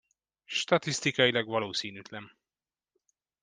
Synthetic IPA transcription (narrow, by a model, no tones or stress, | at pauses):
ʃt̪ɒt̪ist̪ikɒjilɒɡvɒloːsiːnyt̪lɛm